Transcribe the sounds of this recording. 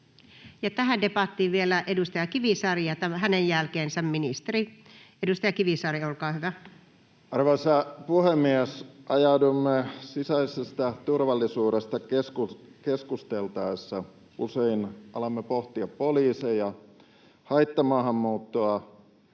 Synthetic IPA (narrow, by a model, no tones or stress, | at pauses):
jɑt̪æhædepɑt̪ːiːʋielæʔedust̪ɑjɑkiʋisɑrijɑt̪æɦænejjælkeːnsæmminist̪eri | edust̪ɑjɑkiʋisɑriolkɑːhyʋæ | ɑrʋɑisɑpuhemːiæsʔɑjɑudumːesisæisest̪æt̪urʋɑlːisuːɾest̪ɑkeskukeskust̪elt̪ɑesːɑ | useinɑlɑmːepoht̪iɑppoliːsejjɑ | hɑit̪ːɑmɑːɦɑmːuːt̪ːoɑ